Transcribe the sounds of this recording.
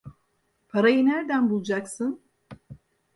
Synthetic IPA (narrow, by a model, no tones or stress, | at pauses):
pʰaɾajɯnæɾd̪ænbulˠd͡ʒaksɨn